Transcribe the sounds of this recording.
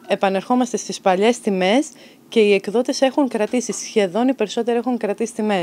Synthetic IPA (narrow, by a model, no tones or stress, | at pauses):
e̞pɐne̞ɾxo̞mɐst̪e̞st̪ispɐʎe̞st̪ime̞s | ce̞ie̞kðo̞t̪e̞se̞xuŋkɾɐt̪isisçe̞ðo̞nipe̞ɾiso̞t̪eɾie̞xuŋkɾɐt̪isi̥t̪ime̞